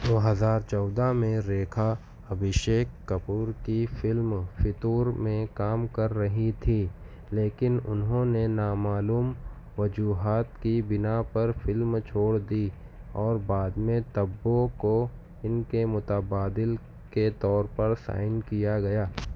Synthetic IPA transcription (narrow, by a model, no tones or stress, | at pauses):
d̪oːɦɐzaːɾt͡ʃɔːd̪amẽɾeːkʰa | ɐbʱɪʃeːkːɐpuːɾkifɪlmfʰɪt̪uːɾmẽkaːmkɐɾːɐɦit̪ʰiː | leːkɪnʊ̰nɦõnenaːmaːluːm | ʋɐd͡ʒuːɦaːt̪kibɪnapɐɾfɪlmt͡ʃʰoːɽd̪iː | ɔːɾbaːd̪mẽt̪ɐbːõko | ɪnkemʊt̪əbaːd̪ɪl | ket̪ɔːɾpɐɾsa̰ːɪnkijaɡɐjaː